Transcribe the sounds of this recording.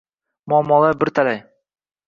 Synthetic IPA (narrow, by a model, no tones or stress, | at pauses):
mʊɒmːɒlˠabɪɾt̪ʰalaj